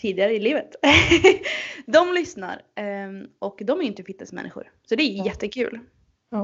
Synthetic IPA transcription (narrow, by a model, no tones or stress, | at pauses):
t̪ʰiːd̪ɪɡaɾəɪliːvət̪ | d̪ɔmlʏsna̰ɾ | ʔɔkd̪ɔmæɾjʏnt̪əfɪt̪nəsmɛ̰nːɪɧʊ̰ɾ | sɔd̪ɛæɾjjɛt̪ːəkʰʉ̟̰ːl